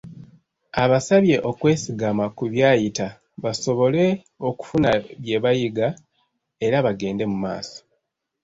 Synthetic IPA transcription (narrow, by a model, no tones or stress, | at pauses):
aβasaβje̞ʔo̞kwe̞ːsiɡamakuβjaːjita | βaso̞βo̞le̞ | o̞ku̥funaβje̞βajiɡa | e̞ɾaβaɡe̞ːnde̞muma̰ːso̥